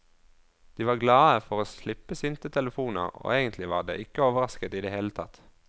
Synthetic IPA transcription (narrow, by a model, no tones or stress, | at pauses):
d̪̥iːʋɑːʁɡlɑːəfɔʁoːslɪpːəsɪnt̪ət̪ʰɛləfuːnə̰ʁo̰ːeːɡənt̪lɪʋɑ̰ːʁd̪ḛːʔɪkəoːʋəʁɑskət̪iːd̪eːheːlət̪ʰɑt̪